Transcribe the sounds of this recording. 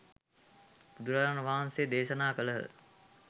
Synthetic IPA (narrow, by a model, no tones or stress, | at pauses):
bud̪uɾaanəʋaːɦnsejd̪eːʃənaːkələɦ